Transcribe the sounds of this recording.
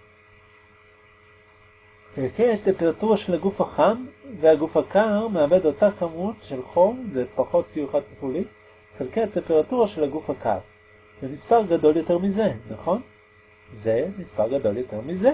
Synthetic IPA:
χelkeatːe̞mpe̞ʁatuʁaʃelaɡufhaχanveaɡufhakaʁmeabe̞do̞takamutʃe̞lχo̞mzepaχo̞tbijuχadkifulis | χelkeatempeʁatuʁaʃe̞laɡufhaka̰ʁ | vemispaʁɡado̞ljo̞te̞ʁmize̞naχo̞n | zemispaʁɡad̪o̞ljo̞te̞ʁmize

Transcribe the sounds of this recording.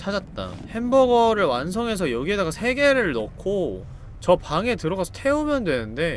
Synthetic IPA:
t͡ɕʰad͡ʑat̚t͈a̰he̞nbʌɡʌɾɯɭwansʰʌŋe̞sʰʌjʌɡie̞daɡasʰe̞ɡe̞ɾɯɭnʌkʰo | t͡ɕʌpaŋe̞tɯɾʌɡasʰʌtʰe̞umjʌndwe̞nɯnde̞

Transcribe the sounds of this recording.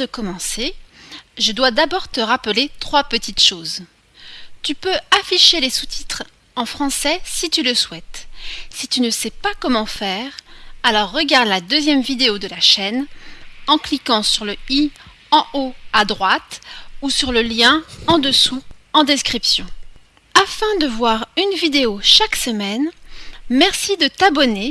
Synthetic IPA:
əkɔmɑ̃se | ʒəd̪wad̪abɔʁt̪əʁapəlet̪χwapət̪it̪ʃoːz | t̪ypøafiʃelesut̪ʰi̥t̪χ | ɑ̃fχɑ̃sɛsit̪yləswɛt̪sit̪ynəsɛpakɔmɑ̃fɛːʁalɔʁːəɡaʁd̪lad̪øzjɛmvid̪eod̪əlaʃɛnɑ̃klikɑ̃syʁləi | ɑ̃ʔoad̪ʁwat̪usyʁləljɛ̃ɑ̃d̪əsuɑ̃d̪eskχipsjɔ̃ | afɛ̃d̪əvwaʁynvid̪eoʃaksəmɛnmɛʁsid̪ət̪abɔne

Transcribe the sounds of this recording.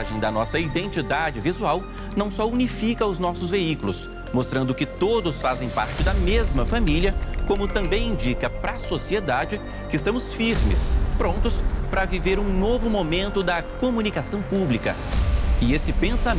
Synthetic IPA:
ʒẽj̃d̪ɐnɔsɐid̪ẽnt͡ʃid̪ad͡ʒɪvizuaw | nɐ̃w̃sɔunifikɐʊznɔsʊzveikulʊs | most̪ɾɐ̃nd̪ʊkɪt̪od̪ʊsfazẽj̃paɾt͡ʃɪd̪ɐmezmɐfamiliɐkõmʊt̪ɐ̃mbẽj̃ĩd͡ʒikɐpɾɐsosied̪ad͡ʒɪ | kɪɪst̪ɐ̃mʊsfiɾmɪ̰spɾõnt̪ʊspɾɐviveɾũnovʊmomẽnt̪ʊd̪ɐkomũnikasɐ̃w̃publikɐ | ɪesɪpẽsa

